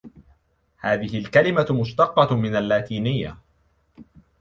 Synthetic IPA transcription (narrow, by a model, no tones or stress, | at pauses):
haːðɪɦɪlkalɪmamʊʃt̪ɑqːɑmɪnalːaːt̪iːnɪjːa̰